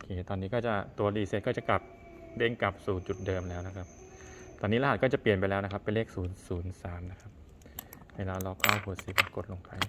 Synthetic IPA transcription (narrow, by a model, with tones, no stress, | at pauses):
o˧kʰeː˧˩t̪ɔː˧nːiː˦˥kɔː˥˩t͡ɕa˨˩t̪u˧ɐliː˧˩seː˧˥˩kɔː˥˩t͡ɕa˨˩kla˨˩p̚ | de˧˥˩ŋka˨˩p̚suː˨˩t͡ɕu˨˩t̪̚dɤː˧mlɛː˦˥wna˦˥kʰa˦˥p̚ | t̪ɔː˧niː˦˥la˧˥aː˨˩t̪̚kɔː˥˩t͡ɕa˨˩pli˨˩ənp̬a˧jlɛː˦˥wna˦˥kʰa˦˥pːa˧nleː˥˩k̚suː˩˦nsuː˩˦nsaː˩˦nːa˦˥kʰa˦˥p̚ | weː˧laː˧˥lɔ˧klaː˥˩wɦu˨˩si˨˩p̚a˧˩ko˨˩t̪̚lo˧ŋpa˧j